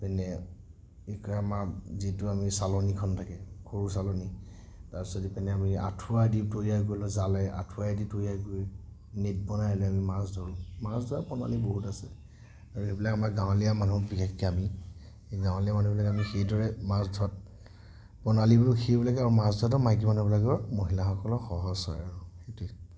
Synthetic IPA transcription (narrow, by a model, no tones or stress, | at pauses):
pɛnɛ | ekɔjamazitʊamisalɔnikʰɔntʰakɛkʰoɹusalɔni | taɹisɔtipɛnɛamia̰tʰuaditojiak̬oɹilɔzalɛa̰tʰuaeditojiajkoɹi | net̚bɔnajɔlɛamimasdʱɔɹɔmasdʱɔɹapɔna̰liboɦutasɛ | aɹuebilakamaɡãw̃lijamanukbikexkɛami | ɡãw̃lijamanubɔlaɡɛamixejdɔɹɛmasdʱɔt̚ | pɔnalibɔluxʰebilaɡɛaɹumasdʱɔat̬ɔmajɡimanubɔlaɡɔmoɦilaxɔkɔlɔxɔɦɔsɔ̰ja̰ɹuxetuɛ